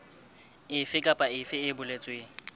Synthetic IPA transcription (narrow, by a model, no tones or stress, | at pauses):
ɪfɪkʼapʼaɪfɪɪbʊlet͡sʼweːŋ̩